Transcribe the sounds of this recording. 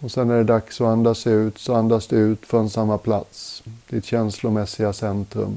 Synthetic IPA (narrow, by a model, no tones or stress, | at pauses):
ɔsɛnːæɖɛd̪aksɔand̪aːsʉ̟ːt̪sɔand̪asd̪ɛʉ̟ːt̪fɾɔnsamːapʰlat̪sd̪ɪt̪ɕɛnslʊmɛsːɪɡasɛnt̪ɾɵ̰m